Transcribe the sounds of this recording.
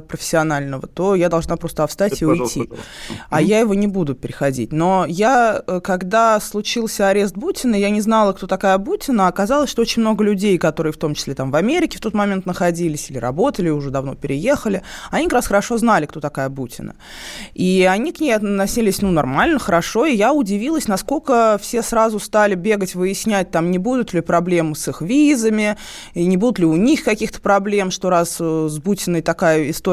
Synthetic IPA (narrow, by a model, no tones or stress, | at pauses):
pɾəfʲɪ̥sʲːɪɐnalʲnəvət̪o̞jad̪ɐlˠʐnapɾo̞st̪əɐfst̪atʲɪʊjtʲʰːi | ajajɪvo̞nʲɪbud̪ʊpʲɪɾʲɪxɐdʲḭt̚ʲno̞jaəkɐɡd̪aslˠʊt͡ɕilˠsʲəɐɾʲe̞s̬t̪̚butʲɪnəjanʲɪznalˠəkt̪o̞t̪ɐkajəbutʲɪnəaːkɐzɑlˠəsʲʂt̪oot͡ɕɪnʲmno̞ɡəlʲʉdʲejkɐt̪o̞ɾɨjəft̪o̞mt͡ɕɪ̥sʲlʲe̞t̪amvɐmʲeɾʲɪkʲɪ̥ft̪o̞t̪mɐmʲe̞nt̪nəxɐdʲilʲɪsʲilʲɪɾɐ̰bo̞t̪əlʲɪʊʐɛd̪ɐvno̞̰pʲɪɾʲɪje̞xəlʲɪanʲikɐkɾasxəɾɐʂo̞znalʲɪkt̪o̞t̪ɐkajəbutʲɪ̰nə̰ | iɐnʲiknʲejɐt̪nːɐsʲilʲɪsʲnunɐrmalʲnəxəɾɐʂo̞ɪjaʊdʲɪvʲilˠəsʲnɐsko̞lʲkəfsʲe̞sɾazʊst̪alʲɪbʲe̞ɡətʲvɨjɪsʲnʲæt̚ʲt̪amnʲɪbud̪ʊt̪lʲɪpɾɐblʲe̞mɨsɨxvʲizəmʲɪ | nʲɪbud̪ʊt̪lʲɪʊnʲixkɐkʲixt̪ə̥pɾɐblʲe̞mʂt̪o̞ɾaszbutʲɪnəjt̪ɐkajəɪst̪o